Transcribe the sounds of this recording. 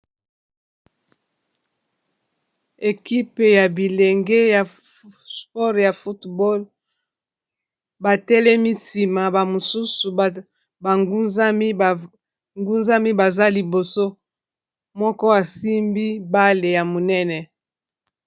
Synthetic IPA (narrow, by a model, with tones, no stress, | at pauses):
e˨ki˦pe˨ja˨bi˨le˨ŋɡe˦ja˨ | spɔ˦ʁja˨fu˦tbɔ˦l | ba˨tɛ˦lɛ˦mi˦si˨ma˨ba˨mo˨su˦su˨ | ba˨ŋɡu˦za˦m˦˨ | ŋɡu˦nza˦mi˦ba˨za˦li˨bo˨so˦ | mɔ˦kɔ˦wa˨si˦mbi˦ba˦le˨ja˨mo˨nɛ˦nɛ˨